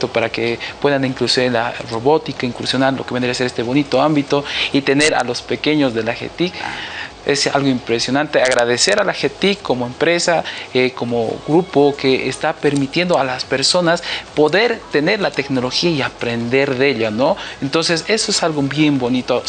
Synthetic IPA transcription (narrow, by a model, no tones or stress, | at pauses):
t̪opaɾake̞pwe̞ðaniŋkluselaro̞βo̞t̪ikaiŋkuɾsjonaɾlo̞keβed̪ɾaseest̪eβo̞nit̪oambit̪o̞it̪e̞ne̞ɾa̰lo̞spe̞ke̞ɲo̞zðe̞laxḛt̪ik | esa̰lɣoimpɾe̞sjo̞nãnt̪e̞aɣɾaðe̞se̞ɾalaxet̪ikːo̞moempɾe̞saeko̞moɣɾupo̞ke̞ʔest̪ape̞ɾmit̪je̞nd̪oalaspe̞ɾso̞naspo̞ðe̞ɾt̪e̞ne̞ɾlat̪e̞kno̞lo̞xiaiapɾe̞nd̪e̞ɾðe̞ʎano̞ent̪o̞nse̞se̞soesalɣobje̞mbo̞nit̪o